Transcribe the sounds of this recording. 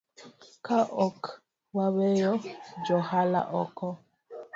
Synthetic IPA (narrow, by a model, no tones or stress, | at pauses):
kaʔɔk | wawɛjɔd͡ʒɔhala̰ʔɔkɔ